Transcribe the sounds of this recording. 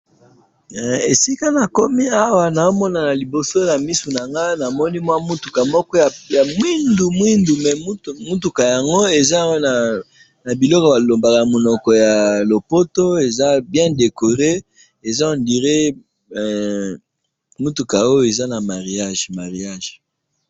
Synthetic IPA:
e˨si˦ka˦na˨ko˦mi˦a˦wa˨na˨o˦mɔ˦na˨na˨li˨bo˨so˦na˨mi˦su˨na˨ŋɡa˦na˨mɔ˦ni˦mwa˦mu˦tu̥˨ka˨mɔ˦kɔ˦ja˨ja˨mwi˦ndu˨mwi˦ndu˨mɛ˨˦˨mu˦tu˨ka˨ja˨ŋɡo˦e˨za˦wna˨ | na˨bi˨lɔ˦kɔ˨ba˨lo˨mba˨ka˨na˨mo˨nɔ˨kɔ˨ja˨lo˨po˦to˦e˨za˦bjɛ̃˦de˨ko˨ʁe˦ | e˨za˦o˨ndi˨ʁe˦˨ | mu˦tu˨ka˨o˦jo˦˨e˨za˦na˨ma˨ʁi˨a˦˨ʒma˨ʁi˨a˦ʒ

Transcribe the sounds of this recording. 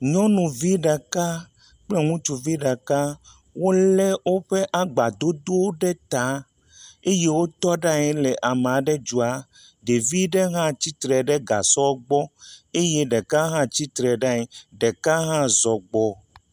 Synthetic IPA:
ɲɔ̃˦nũ˨vi˦ɖa˨ka˦ | k͡plɛ˦ŋũ˦t͡ʃu˨vi˦ɖa˨ka˦ | wo˦lɛ˦wo˦ɸe˦ʔa˨ɡ͡ba˨d̪o˦d̪o˦ɖɛ˦t̪a˨˦ | e˦je˦wo˦t̪ɔ˦ɖa˦ɲɛ̃˦le˨ʔa˨mẽ˨ã˨ɖɛ˦d͡ʒu˨a˨ | ɖe˨vi˦ɖe˦ɦã˦t͡ɕi˦t̪ɾɛ˨ɖɛ˦ɡa̰˨sɔ˦ɡ͡bɔ˦e˦je˦ɖɛ˨ka˦ɦã˦t͡ɕi˦t̪ɾɛ˨ɖa˦ɲɛ˨ɖɛ˨ka˦ɦã˦zɔ˨ɡ͡bɔ˨

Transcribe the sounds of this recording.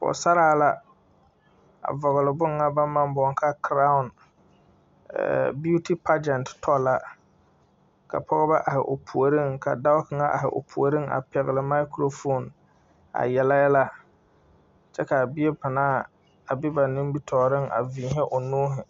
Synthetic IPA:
pɔ̰˨sa˦ɾaː˦la˦ | a̰˨vɔ˨ɣʊ˨lɪ˨bʊ˦ŋːa˦ba˦ma˦m˦bɔ˨ŋ˦ka˦kɾa˦ʊ˨n | ɛ̰˨bu˦ti˦pa˦d͡ʒɛ˨n˨ttʰɔ˦la˦ | ka̰˨pʰɔ˦ɣɔ˦ba˦ʔa˨hɪ̰˨ʔo˨pʰu˨o˨ɾɪ˦˨ŋka̰˨da˦ʊ˦kɪ˨ŋa˦ʔa̰˨ɦɪ̰˨ʔo̰˨pʰu˨o˨ɾɪ˦ŋa̰˨pɛ˨ɣɪ˨lɪ˨ma˦ɪ˦kɾo˦fo˦˨n | a̰˨jɛ˨la˦jɛ˦la˦ | t͡ʃɛ˦ka˨bɪ˦ɛ˦pɪ˨naː˦˨ | a˨bɪ˦ba˨nɪ˦mbi˦tʰɔː˨ɾɪ˦ŋʔa̰˨viː˨ɦɛ˦ʔo˨nuː˦ɦɪ˨

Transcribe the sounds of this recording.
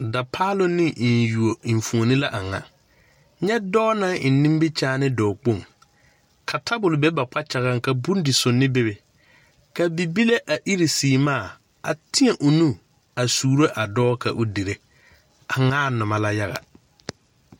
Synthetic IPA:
da˨pʰaː˦lʊ˦nɪ˦˨n˨ju˨o˨i˨ɱ˨fu˨o˨nɪ˦la˦ʔa˨ŋa̰˨ | ɲɛ˦dɔː˦nã˦ŋɪ˨nːĩ˦m˦bɪ˦t͡ʃaː˦nɪ˦dɔː˨k͡po˦˨ŋ | kʰa˨tʰa˦bʊ˨lʊ˨bɛ˦ba˨k͡pa˦t͡ʃa˨ɣa˦ŋka˨bu˦n˦dɪ˨sʊ˨nːɪ˦bɪ˦be˨ | ka˨bi˨bi˦le˦ʔa˨ʔi˦ɾi˨siː˨maː˦˨ | a̰˨tʰɪ˦ɛ˨ʔʊ˨nũ˦ | a˨suː˨ɾo˦ʔa˨dɔː˦kʰa̰˨ʔʊ˦di˨ɾe˦ | a˨ŋaː˦nʊ˨ma˨la˦ja˦ɣa̰˨

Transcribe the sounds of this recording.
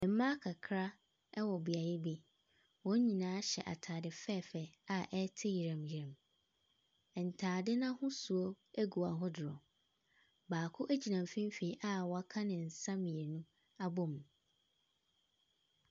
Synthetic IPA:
ɪ̃˨m˦mã˦kʰa˨kʰɾa˦ | ɛ˦wɔ˨bi˨a˨jɪ˦bi˦ | wɔ̃˦ɲ˦ɲĩ˨nãː˦ɕɛ̰˨ʔa̰˨tʰaː˨dɪ˨fɛ˦˨fɛ˨a˨ʔɛ˦tʰɪ˦ji˨ɾã˨mji˨ɾã˨m | ɛ˨n̩˨tʰaː˨dɪ˦nã˦hʊ̃˦su˨o˦ | æ˦ɡu˨a˨ɦʊ˦dɪ˨ɾɔ˨ | baː˨kʰʊ˦ʔæ˦d͡ʑi˨nã˨m˨fĩ˦m˦fe˨i˦ʔa˦˨wɔ˨a˦kʰã˦nɪ̃˨n̩˨sã˦mĩ˨e˨nũ˦ | a˦bɔ˦m˨

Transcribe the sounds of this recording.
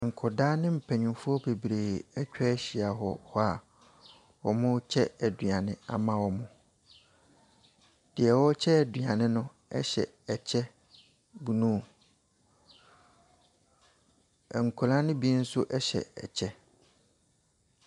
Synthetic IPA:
ŋ̩˨kʰɔ˨daː˦nɪ̃˦m̩˨pʰæ̃˨ɲʊ̃˨mfʊ˦ɔ˦be˨bɾeː˨ɛ˦t͡ɕᶣɛ˦ɕi˨a˨ɦɔ˨hɔ˦a˨ | wɔ˨mʊ̃˦t͡ɕʰɛ˦ɛ˨dɥã˨nɪ̃˦a̰˨mã˦wɔ˨mʊ̃˨ | d̥ɪ˨ɛ˨wɔ˦t͡ɕʰɛ˦ɛ˨dɥã˨nɪ̃˦nʊ̃˦ | ɛ̰˦ɕɛ̰˨ | ɛ˨t͡ɕʰɛ˦ | bu˨nũ˦˨ | ɛ˨ŋ̩˨kʰʊ˨lã˦nɪ̃˦bi˦n̩˦sʊ˦ʔɛ˦ɕɛ̰˨ɛ̰˨t͡ɕʰɛ˦

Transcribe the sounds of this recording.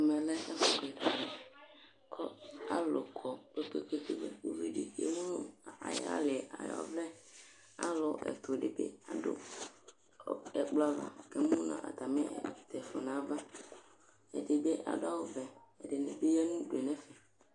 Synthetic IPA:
mɛ̃˨lɛ˦ɛ˦fɔ˦ke˨da˨mɛ˨ | kʰɔ˦a˦lo˨kʰɔ˨k͡pe˦k͡pe˦ke˦ke˦bḛ˦wo˦ve˦ɖḭ˦kḛ˦mũ˦a̰˨ja̰˦le˨a̰˨jɔ̰˨˦vɛ˦ | a̰˦lo˦ʔɛ̰˨t̪o˨ɖe˨bḛ˦a˨do̰˦˨ | ɛ˨k͡plɔ˦a˦va̰˨ke˦mũ˦nã̰˨ʔa̰˨t̪a˨mɛ̰̃˦˨t̪ɛ˨fɔ˨nã˨˦va˦ | ḛ˨de˨be˦ʔa̰˨da˦wo˦vɛ˨ɛ˨ɖe˨nɛ˨be˦jɛ˦nũ˦ɖu˨e˨nɛ̃˦fɛ˨

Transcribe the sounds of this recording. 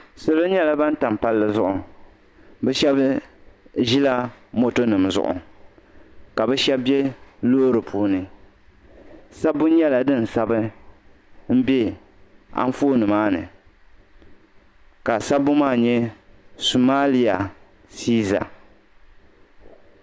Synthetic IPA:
so˨lo˦ɲɛ˦la˨ba˦n̩˦ta˨m˨pa˦lːɨ˦˨zʊ˦ʔʊ˨ | bɛ˦ʃɛ˦b | ʒi˦la˦mo˦to˦nɨ˨mzʊ̰˨ʔʊ̰˨ | ka˨bɛ˦ʃɛ˦bbjɛ˦loː˦ɾɨ˨pʰuː˦nɨ˨ | sa˦bʊ˦ɲɛ˦la˨dɨ˦n̩˨sa˦bɨ˦ | m̩˦bɛ˦ | a̰˦n˦foː˦nɨ˨maː˦nɨ̰˨ | ka˨sa˦bʊ˦maː˦˨ɲɛ˦su˨maː˦li˨a˨ | siː˦za̰˨

